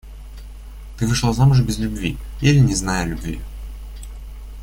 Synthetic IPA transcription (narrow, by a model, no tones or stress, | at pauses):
t̪ɨvɨʂlˠazamʊʐ̬bʲɪzlʲʉbvʲiilʲɪnʲɪznajɐlʲʊbvʲḭ